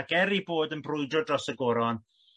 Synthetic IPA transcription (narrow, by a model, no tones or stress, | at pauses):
ɡɛɾiboːdənbrʊɨdɔdrɔsəɡoɾɔn